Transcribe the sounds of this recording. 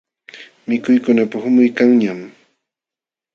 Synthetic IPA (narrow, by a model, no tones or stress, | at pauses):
mɪkʊjkʊnapahʊmʊjkaŋɲam